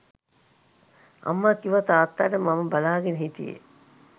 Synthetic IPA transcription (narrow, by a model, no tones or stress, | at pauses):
ʔɐ̰mːakiʋɐt̪aːt̪ːaːʈəmɐməbalaːɡenəɦit̪ḭjḛ